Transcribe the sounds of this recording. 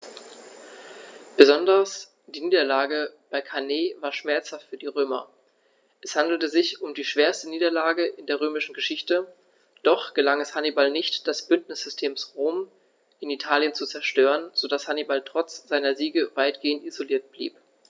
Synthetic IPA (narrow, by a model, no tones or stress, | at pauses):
b̥əzɔndɐs | d̥iːniːdɐlaːɡəb̥aɪkʰaneːvaːɐʃmɛɐt͡shaftfyːɐdiːʁøːmɐ̰ | ʔɛshandl̩təzɪçʊmdiːʃv̥eːɐstəniːdɐlaːɡəʔɪndeːɐʁ̞øːmɪʃn̩ɡəʃɪçtə | d̥ɔχɡ̥əlaŋɛshanibalnɪçtd̥asb̥ʏntnɪsz̥ʏstʰeːmsʁoːm | ʔɪnitʰaːljənt͡sut͡sɛɐʃtøːʁənz̥odashanibaltʁ̥ɔt͡sz̥aɪnɐziːɡəvaɪtɡ̥eːəntizoliːɐt̚b̥lḭːp